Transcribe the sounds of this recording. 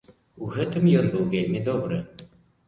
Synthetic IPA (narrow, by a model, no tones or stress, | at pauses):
uɣɛt̪ɨmjɔnbɨwvʲelʲmʲid̪ɔbɾɨ